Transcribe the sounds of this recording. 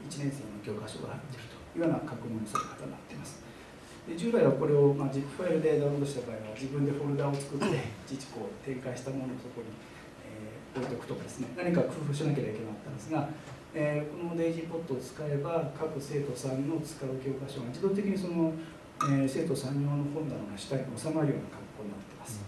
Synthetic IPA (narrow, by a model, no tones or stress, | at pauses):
it͡ɕinẽɰ̃seːnokʲo̞ːkaɕo̞̰ːɡa̰hat̪ːeɾɯ̟t̪o̥jianakakɯ̟nõɲosaɾɯ̰kḁt̪annat̪ːe̞masɨ̥ | d̪e̞d͡ʑɨːbaiβako̞ɾe̞o̞mad͡ʑikːɯ̟̥ɸaeɾɯ̟d̪e̞d̪aond̪oɕi̥t̪abaːiβad͡ʑibɯ̟̃nd̪e̞ɸo̞ɾɯ̟d̪ao̞t͡sɨ̥kɯ̟t̪ːe̞it͡ɕit͡ɕi̥ko̞ːt̪ẽ̞ŋkaiɕi̥t̪amo̞no̞ːso̞ko̞ɲ̟i | e | po̞it̪o̞kɯ̟t̪o̞kad̪e̞sɨne̞naɲ̟ikakɯ̟ːɸɯɕinak̬eɾaikenoat̪ːãnd̪e̞sɨɡa | eːko̞no̞d̪eʑipo̞t̪ːo̞ːt͡sɨ̥kaebakakɯ̟se̞ːt̪o̞sãɲːo̞t͡sɨ̥kaɯ̟kʲo̞ːɡaɕo̞ɡad͡ʑid̪o̞ːt̪̬e̞kʲiɲ̟iso̞no̞ | ese̞ːt̪o̞sãɲʲːjo̞ːnohõnd̪anoŋɡaɕi̥kaɾʲiɲio̞samaɾɯ̟jo̞̰ːnakãŋkːo̞ːɲ̟inat̪ːe̞masɨ̥